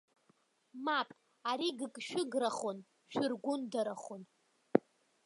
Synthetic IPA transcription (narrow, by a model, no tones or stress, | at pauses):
mapʼ | aɾiɡɨkʼʃᶣʊɡraχon | ʃᶣʊrɡʷʊndaɾaχon